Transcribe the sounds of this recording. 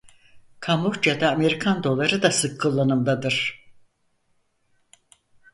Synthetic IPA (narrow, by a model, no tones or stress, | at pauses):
kʰamukd͡ʒad̪aːme̞ɾikʰand̪o̞lˠaɾɯd̪asɯkʰːɯlˠːanɯmd̪ad̪ɯɾ̥